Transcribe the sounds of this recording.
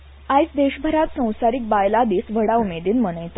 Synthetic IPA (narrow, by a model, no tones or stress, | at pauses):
ajt͡sd̪eɕbʱəɾat̪sə̃w̃saɾik̚bajlad̪iːsʋəɽaumed̪iːnmənəjt̪a